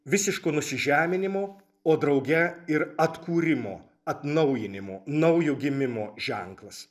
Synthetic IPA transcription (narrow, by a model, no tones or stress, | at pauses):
ʋʲɪsʲɪʃkoːnʊsʲɪʒʲæːmʲɪnʲɪmoː | oːd̪ɾɐʊɡʲɛɪɾɐt̪kuːɾʲɪmo̰ː | ɐt̪nɐʊjɪnʲɪmoːnɐʊjoːɡʲɪmʲɪmoːʒ̥ʲæŋklˠɐs